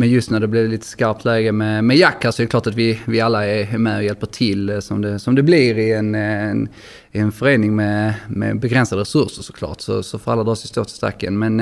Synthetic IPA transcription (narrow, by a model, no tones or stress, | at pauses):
mɛnjɵst̪næɖɛblɪdɛliːt̪ə̥skaɾp̚t̪ʰlɛːɡəmɛmɛjakːasɔɛɾɛkʰlɑːʈat̪vɪvɪalːaæɾæɾmɛɔjɛlpəʈʰɪlːsɔmd̪ɛsɔmd̪ɛblɪɾɪɛnn | ɪɛnfœɾeːnɪŋmɛmɛ̰bɛɡɾɛnsad̪əɾɛsɵɾʂəɾʂɔ̥kʰlɑ̰ːʈsɔ̰sɔfœɾalːad̪ɾɑːsɔst̪oːt̪ʰɪ̥st̪ɾa̰kːə̰nmɛn